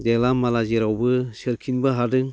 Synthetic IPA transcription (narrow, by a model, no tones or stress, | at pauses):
delamːalaziɾawbɯsɯɾkʰinbɯɦadɯŋ